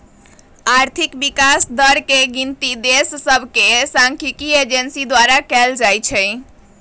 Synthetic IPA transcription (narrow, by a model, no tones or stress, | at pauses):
aɾt̪ʰikbikasd̪əɾkeɡint̪id̪esːəbʱkesãŋkʰikied͡ʒensid̪waɾakɛld͡ʒajt͡ʃʰɛj